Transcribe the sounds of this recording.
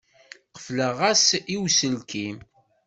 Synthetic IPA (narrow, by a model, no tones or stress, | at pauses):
qə̥fləʁæsiwsəlkim